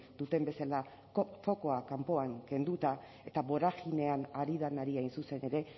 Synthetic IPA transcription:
d̪̥ut̪e̞mbe̞sala | fo̞ko̞akampo̞aŋke̞nd̪ut̪a | e̞t̪aβo̞ɾaɣine̞anaɾiðanaɾiajnsuse̞ne̞ɾe̞

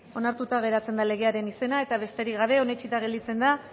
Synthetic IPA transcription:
o̞naɾt̪ut̪aɣ̞e̞ɾat͡se̞nd̪ale̞ɣ̞e̞aɾe̞nise̞nae̞t̪aβ̞e̞st̪e̞ɾikɡaβ̞e̞o̞ne̞t͡ʃit̪aɣ̞e̞ld̪it͡se̞nd̪a

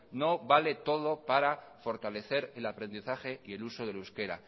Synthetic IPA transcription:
no̞βale̞t̪o̞ð̞o̞paɾafo̞ɾt̪ale̞θe̞ɾelapɾe̞nd̪iθaxe̞ie̞luso̞ðe̞luske̞ɾa̰

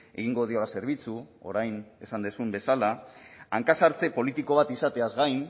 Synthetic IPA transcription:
e̞ɣiŋɡo̞ðio̞lase̞ɾβ̞it͡suo̞̰ɾajne̞sand̪esumbe̞salaaŋkasaɾt͡se̞po̞lit̪iko̞βat̪isat̪e̞azɣajn

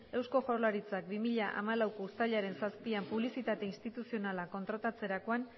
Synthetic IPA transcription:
e̞wsko̞ʝo̞rlaɾit͡sak̚bimiʎaʔa̰malawkoust̪aʎaɾe̞nsaspiampuβ̞lisit̪at̪e̞inst̪it̪usio̞nalako̞nt̪ɾat̪at͡se̞ɾako̞an

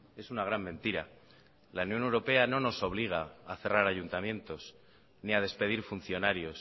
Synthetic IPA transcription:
e̞sunaɣ̞ɾammẽnt̪iɾa̰ | launjone̞wɾo̞pe̞anõ̞no̞so̞β̞liɣ̞aːθe̞raɾaʝunt̪amjẽ̞nt̪o̞s | niað̞e̞spe̞ðiɾfun̟θjo̞naɾjo̞s

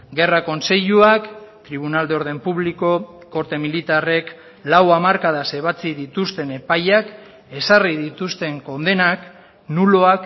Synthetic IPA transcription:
ɡe̞rako̞nse̞ʎuakt̪ɾiβ̞unald̪eo̞ɾð̞e̞mpuβliko̞ | ko̞ɾt̪e̞milit̪are̞k | lawamaɾkaðaseβ̞at͡siðit̪ust̪e̞ne̞pajak | e̞sariðit̪ust̪e̞ŋko̞nd̪e̞nak | nuloak

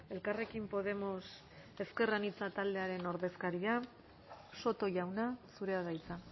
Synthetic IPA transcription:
e̞lkare̞kimpo̞ð̞e̞mo̞s | e̞ske̞ranit͡sat̪ald̪e̞aɾe̞no̞ɾðe̞skaɾia | so̞t̪o̞ʝawnasuɾe̞aðajt͡sa

